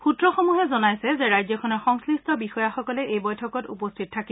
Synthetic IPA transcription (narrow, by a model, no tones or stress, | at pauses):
pʰutɹɔxɔmuɦɛzɔnajsɛzeɹajzɔkʰɔnɔɹxɔŋslistʰɔbixɔjaxɔkɔlɛʔejbɔjtʰɔkɔtṵpɔstʰit̚tʰaki